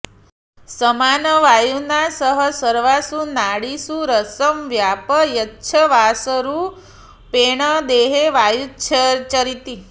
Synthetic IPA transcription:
səmanəʋajunasəɦəsəɾʋasunaɽisũɾəsəmʋjapəjətːʃʰəʋasəɾu | peɳ̃əd̪eɦeʋajut͡ʃʰət͡ʃəɾit̪i

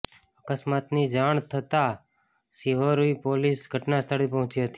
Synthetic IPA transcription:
əkəsmat̪nid͡ʒaɳ̃t̪ʰət̪a | siɦoɾuipolisɡʱəʈnast̪ʰəɽipəɦʊ̃t͡ʃiɦət̪i̥

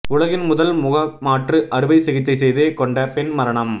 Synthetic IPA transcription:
ʊɭɐɣɪnmʊðɐlmʊɣɐmaːʈrɯʔɐɾɯʋɐɪsɪɣɪt͡ʃːɐɪsɛjðeːkɔɳɖɐpɛnmɐɾɐɳɐm

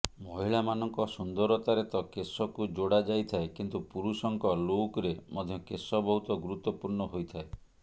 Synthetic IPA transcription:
mɔɦiɭamanɔŋkɔsund̪ɔɾɔt̪aɾet̪ɔkesɔkud͡ʒoɽad͡ʒajt̪ʰaekint̪upuɾusɔŋkɔlokɔɾemɔd̪ʱjɔkesɔbɔɦut̪ɔɡuɾut̪ːɔpuɾɳɔɦojt̪ʰae

